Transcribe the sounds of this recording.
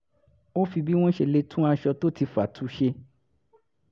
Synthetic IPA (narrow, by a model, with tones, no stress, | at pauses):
o˦fi˧bi˦w̃ɔ̃˦ʃe˧le˧tʰũ˦a˧ʃɔ˧to˦ti˧fa˨tʰu˨˦ʃe˧